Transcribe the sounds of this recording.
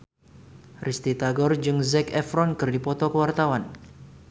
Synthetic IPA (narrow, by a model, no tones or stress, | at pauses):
rʔist̪it̪aɡɔrd͡ʒɨŋzɛkɛfɾɔnkɨrdipɔt̪ɔkəwart̪awan